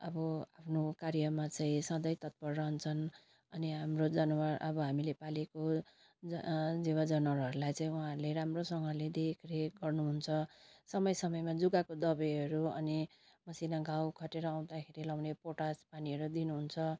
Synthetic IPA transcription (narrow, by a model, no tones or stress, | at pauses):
ʌbʌapʰnokaɾjʌmat͡saĩsʌd̪ʌjt̪ʌt̪̚pʌrːʌnt͡sʰʌn | ʌniɦamrod͡zʌnwaʔʌbʌɦamilepaleko | d͡zd͡zewad͡zʌnʌɾɦʌɾulajt͡saĩuɦãɦʌɾuleɾamrosʌŋɡʌled̪ekʰɾeɡʌrnuɦunt͡sʰʌsʌmʌjsʌmʌjmad͡zuɡakod̪ʌbʌɦʌɾuʌ̰ni | mʌsinaɡʱawkʰʌʈeɾʌaw̃d̪akʰeɾilaw̃nepoʈaspaniɦʌɾud̪inuɦunt͡sʰʌ